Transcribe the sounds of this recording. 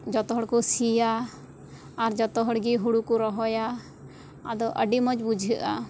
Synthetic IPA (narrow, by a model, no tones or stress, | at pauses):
d͡ʒɔt̪ɔɦɔɽkusijaː | ɾd͡ʒɔt̪ɔɦɔɽɡiɦuɽukuɾɔɦɔja | ad̪ɔʔə̰ɖimɔd͡ʒbud͡ʒʱəʔa